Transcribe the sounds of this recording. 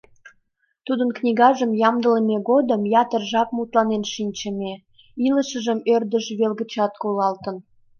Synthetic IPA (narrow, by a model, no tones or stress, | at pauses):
t̪ud̪ənknʲiɣɑʒəmjɑmd̪ələmeɣod̪əmjɑt̪ərʒɑp̚mut̪lɑnenʃinʲt͡ɕəme | iləʃəʒəmørd̪əʃβelɣət͡ɕɑt̪kolɑlt̪ə̆n